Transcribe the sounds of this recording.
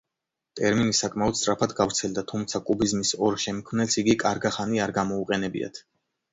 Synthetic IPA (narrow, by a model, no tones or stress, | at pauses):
t̪ʼɛɾminisakʼmaɔd̪st̪ʼɾapʰad̪ɡavɾt̪sʰɛld̪at̪ʰumt̪sʰakʼubizmisɔɾʃɛmkʰmnɛlsiɡikʼaɾɡaχaniaɾɡamɔuqʼɛnɛbḭa̰t̪ʰ